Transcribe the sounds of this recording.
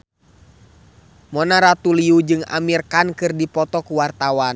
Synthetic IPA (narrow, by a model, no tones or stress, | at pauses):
mɔnaɾat̪uliud͡ʒɨŋa̰mirkankɨrdipɔt̪ɔkuwart̪awan